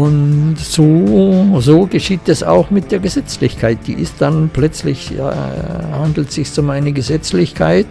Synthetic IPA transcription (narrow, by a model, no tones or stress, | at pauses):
ʊntz̥oːzoːɡəʃiːt̚dasa̰ʊxmɪt̚d̥eːɐɡəzɛt͡slɪçkʰaɪt̚d̥ḭːʔɪstd̥anplœt͡slɪ̰ç̰ | handl̩tz̥ɪçsʊmaɪnəɡəzɛt͡slɪçkʰaɪt